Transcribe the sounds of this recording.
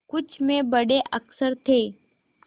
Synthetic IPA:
kʊt͡ʃʰmẽbəɽeʔəksəɾt̪ʰeː

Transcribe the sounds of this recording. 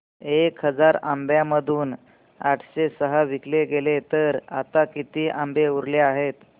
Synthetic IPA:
ekɦəd͡zaɾambjãməd̪ʱuːn | aʈʰɕesəɦəʋikleɡelet̪əɾa̰t̪akit̪iːʔambeuɾleaɦet̪

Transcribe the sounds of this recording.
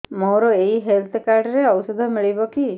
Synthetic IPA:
moɾɔeɦiɦelt̪ʰkaɾɖɔɾeɔwusɔd̪ʱɔmiɭibɔki

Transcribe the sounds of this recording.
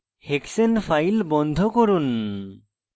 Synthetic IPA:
heksenpʰajlbɔnd̪ʱɔkɔɾun

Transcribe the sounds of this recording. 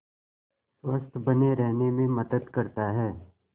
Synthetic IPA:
sʋəst̪ʰbɐneɾɛɦnemẽmɐd̪əd̪kɐɾt̪aɦɛː

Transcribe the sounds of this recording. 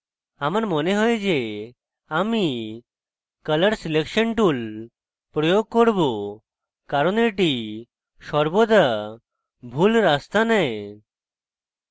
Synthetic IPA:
amaɾmɔneɦɔed͡ʒe | ami | kələɽsilekʃəɳʈul | pɾɔjoɡ̚koɾbo | kaɾɔneʈi | ʃɔɾbod̪a | bʱulɾast̪anae

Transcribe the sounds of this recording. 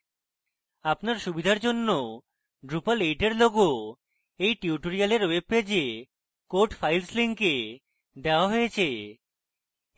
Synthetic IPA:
apnaɾʃubid̪ʱaɾd͡ʑonːo | ɖɾupalejʈeɾloɡo | ejʈiuʈoɾialeɾweb̚ped͡ʑe | koɾʈfajlsliŋke | d̪eoaɦojet͡ɕʰe

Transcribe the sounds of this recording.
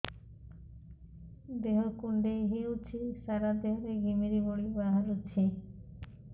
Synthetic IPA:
d̪eɦokuɳɖejɦiut͡ɕʰisaɾad̪eɦoɾeɡimiɾiboɽibaɦalut͡ɕʰi

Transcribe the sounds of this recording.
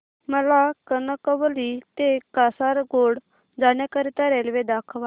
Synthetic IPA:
məlakənəkəʋəlit̪ekasaɾɡoɽ | d͡zaɳjakəɾit̪aɾelʋed̪akʰʋa

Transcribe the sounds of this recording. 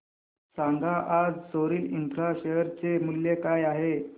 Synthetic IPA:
saŋɡʱaʔad͡zsoɾiːlind̪ɾaɕeɦəɾt͡semuljekajaɦe

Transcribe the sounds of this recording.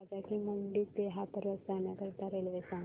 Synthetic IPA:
d͡zakiməɳɖiːt̪eɦapəɾʋət̪d͡zanjakəɾt̪aɾelʋesã

